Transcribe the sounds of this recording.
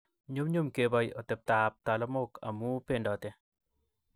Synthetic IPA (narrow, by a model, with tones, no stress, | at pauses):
ɲo˦mɲo˦mke˨bɔ˨jɔ̰˨tɪ˨p̚ta˨p̚ta˨lɔ˦mo˦ka̰˨mu˦pe˨ndɔ˨te˦